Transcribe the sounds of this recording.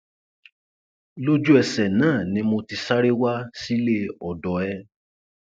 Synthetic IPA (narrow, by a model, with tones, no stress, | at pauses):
lo˦d͡ʒu˦ɛ˧sɛ˨nãː˦˨nĩ˧˦mo˧ti˧sa˦ɾe˦wa˦si˦le˦ɔ˨dɔ˨ɛ˧